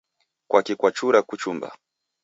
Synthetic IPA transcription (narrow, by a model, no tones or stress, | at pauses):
kwakikwat͡ʃuɾakut͡ʃumba̰